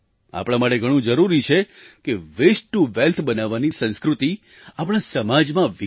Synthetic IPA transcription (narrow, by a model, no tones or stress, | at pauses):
a̰pɽ̃ãmaʈeɡʱəɽ̃ũd͡ʒəɾuɾit͡ʃʰekeʋesʈːuʋɛlt̪ʰbənaʋːanisə̃nskɾut̪i | apəɽ̃ãsəmad͡ʒmãʋɪ